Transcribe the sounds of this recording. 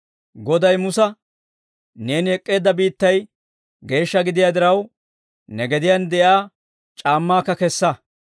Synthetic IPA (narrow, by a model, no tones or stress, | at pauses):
ɡɔd̪ɐjmʊsɐ | ne̞ːnɪɛkʼːe̞ːd̪ːɐbiːt̪ːɐj | ɡe̞ːʃːɐɡɪd̪ɪjaːd̪ɪɾɐw | nɛɡɛd̪ɪjɐnd̪ɛʔjaː | t͡ʃʼaːmːaːkːɐkɛsːɐ